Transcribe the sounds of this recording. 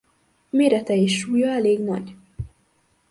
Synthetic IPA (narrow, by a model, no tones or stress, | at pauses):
meːɾɛt̪ɛeʃːuːjɒɛleːɡnɒ̰ɟ